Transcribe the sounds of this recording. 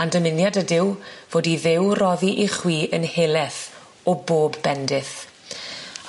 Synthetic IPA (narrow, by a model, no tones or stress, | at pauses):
andəmɪnjadədɪwvoːdiðɪwrɔðiʔiχwiːʔənheːlˠɛθ | ɔboːbːɛndɪθ